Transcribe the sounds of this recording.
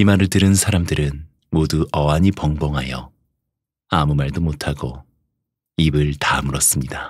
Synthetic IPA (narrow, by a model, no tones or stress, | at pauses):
imaɾɯɭdɯɾɯnsʰaɾamdɯɾɯn | moduʔʌaɲipʌŋbʌŋɦajʌ | amumaɭdomotʰaɡo | ibɯɭtamɯɾʌs͈ɯmɲida